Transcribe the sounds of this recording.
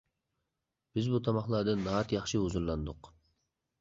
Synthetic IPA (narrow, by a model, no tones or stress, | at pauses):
b̥ɪzbut̪ʰɑmɑχlˠɑɾd̪ɨnɑt̪jɑχʃɨuzuɾlˠɑnd̪ʊq